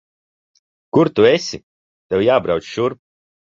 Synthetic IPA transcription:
kuɾt̪uesʲi | t̪ewjaːbɾaw̪sʃuɾ

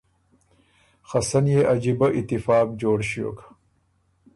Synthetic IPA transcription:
xɐsɐnjeʔɐd͡ʑibɐʔit̪ifɑːkd͡ʑoːɽɕio̰ːkḁ

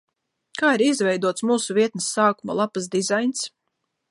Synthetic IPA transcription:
kaːiɾizvɛjd̪uɔt̪smuːsuvʲiɛt̪̚nəsːaːkuma̰lˠapasd̪izajns

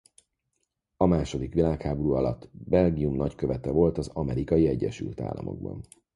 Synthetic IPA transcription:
ɒmaːʃo̞d̪ikʋilaːkhaːboɾuːɒlɒt̪ːbɛlɡiumnɒckø̞vɛt̪ɛvo̞lt̪ɒzɒmɛɾikɒjiɛɟːɛʃy̰lt̪a̰ːlːɒ̰mo̞̰ɡ̚bɒ̰n

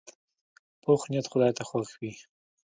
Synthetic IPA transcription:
poxnjat̪xʊd̪ɑjt̪axwaxwi

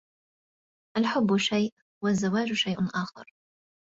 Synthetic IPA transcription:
ʔalħʊbːʊʃajʔ | wazːawaːd͡ʒʊʃajʔʊʔaːxɑ̰ɾˤ

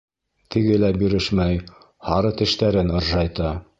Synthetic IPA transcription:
t̪ʰɘ̆ɡɘlæbjɵ̆ɾɘʃmæj | hɑɾɤt̪ɘ̆ʃt̪æɾɘnɤ̆ɾʒɑjt̪ɑ

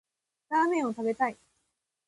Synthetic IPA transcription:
ɾaːmẽ̞ɰ̃o̞t̪abe̞t̪ai

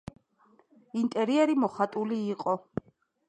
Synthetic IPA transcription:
int̪ʼɛɾiɛɾimɔχat̪ʼuliːqʼɔ

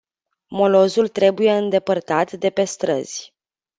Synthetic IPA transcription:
mo̞lo̞zult̪ɾe̞buje̞ɨnd̪e̞pərt̪at̪d̪e̞pe̞st̪ɾə̰z̥ʲ

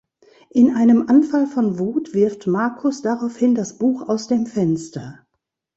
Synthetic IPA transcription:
ʔɪnʔaɪnəmʔanfalfɔnvuːtv̥ɪɐftmaɐkʰʊsd̥aʁaʊfhɪndasb̥uːxaʊsd̥eːmfɛnstɐ

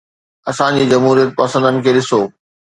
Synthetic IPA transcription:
ɐsãd͡ʑiːd͡ʑɐmɦuːɾijət̪̚pɐsə̃nd̪ənɪ̆kʰeːɗɪsoː

